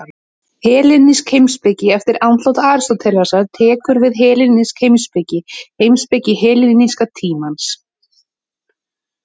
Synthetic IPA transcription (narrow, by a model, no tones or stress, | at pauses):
hɛːlɪnːiskhejmspecɪɛft̪ɪɾawnt̪lowt̪aːɾ̥st̪ɔt̪ʰɛlvasaðt̪ʰɛːkʏɾvɪðɦɛːlɪnːɪskhejmspɪcɪhejmspecɪɦɛːlɪniskat̪ʰiːmans